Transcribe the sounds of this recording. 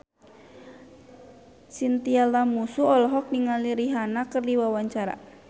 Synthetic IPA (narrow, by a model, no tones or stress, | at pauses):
sint̪ialamusuɔlɔɦɔk̚niŋaliɾiɦanakərdiwawaɲt͡ʃaɾa̰